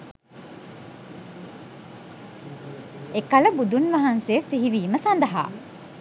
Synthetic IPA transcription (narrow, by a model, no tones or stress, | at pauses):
ekɐləbud̪unʋɐɦɐnseːsiɦiʋiːməsɐnd̪ɐɦa̰ː